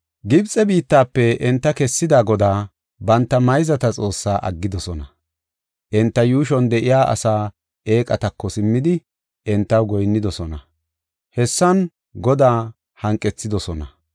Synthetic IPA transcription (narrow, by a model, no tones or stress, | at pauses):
ɡɪbt͡sʼɛbiːt̪ːaːpːɛʔɛnt̪ːɐkɛsːɪd̪aːɡɔd̪aː | bɐnt̪ːɐmɐjzɐt̪ɐt͡sʼo̞ːsːaːʔɐ̰ɡːɪd̪ɔsɔnɐ | ʔɛnt̪ːɐjuːʃ̬ɔnd̪ɛʔɪjaːʔɐ̰saː | eːkʼɐt̪ɐkːɔsɪmːɪd̪ɪ | ʔɛnt̪ːɐwɡɔjnːɪd̪ɔsɔnɐ | hɛsːɐn | ɡɔd̪aː | hɐŋkʼːɛt͡sːɪd̪ɔsɔnɐ